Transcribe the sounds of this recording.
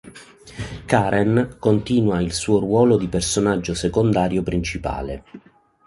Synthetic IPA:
kaːɾʔɛnkont̪iːnwailsuːorwɔːlod̪ipersonad͡ʒːosekond̪aːɾjopɾint͡ʃipa̰ːlḛ

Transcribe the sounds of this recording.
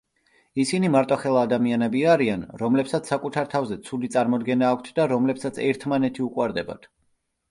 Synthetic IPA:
isinimaɾt̪ʼɔχɛlˠaːd̪amianɛbiaɾianɾɔmlɛpsat̪ssːakʼut̪ʰaɾt̪ʰavzɛt̪sʰulit̪sʼaɾmɔd̪ɡɛnaːkʷʰt̪ʰd̪aɾɔmlɛpsat̪sʰɛɾt̪ʰmanɛt̪ʰiukʼwaɾd̪ɛba̰t̪ʰ

